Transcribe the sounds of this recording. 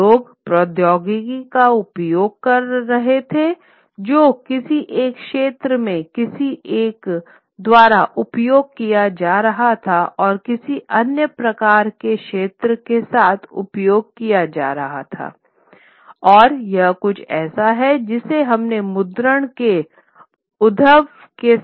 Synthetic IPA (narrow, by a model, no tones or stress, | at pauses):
loːɡpɾɔːd̪jɔːɡɪɡikaʊpjoːɡ̚kɐɾːɐɦet̪ʰe | d͡ʒoːkɪsiʔeːkʃeːt̪ɾəmẽkɪsiʔeːk | d̪waːɾaʔʊpjoːɡ̚kijad͡ʒaːɾɐɦat̪ʰaʔɔːɾkɪsiʔɐnjəpɾɐkaːɾkeʃeːt̪ɾət̪esaːt̪ʰʊ̰pjoːɡ̚kijad͡ʒa̰ːɾɐɦa̰t̪ʰa̰ː | ɔːɾjɐɦkʊt͡ʃʰɛːsaɦɛd͡ʒɪseɦɐmnemʊd̪ɾəɽ̃ke | ʊd̪ʱəʋ | ke